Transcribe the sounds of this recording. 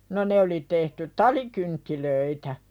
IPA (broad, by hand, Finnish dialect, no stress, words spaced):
no ne oli tehty tɑlikyntːiløitæ